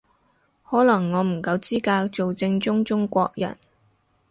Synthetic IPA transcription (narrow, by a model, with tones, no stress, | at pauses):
hɔː˨˥lɐ˨˩ŋːɔː˨˧m̩˨˩kɐ˧wt͡siː˥kaː˧kt͡so˨wt͡sɪ˧ŋt͡sʊ˥ŋt͡sʊ˥ŋkʷɔː˧k̚jɐ̰˨˩n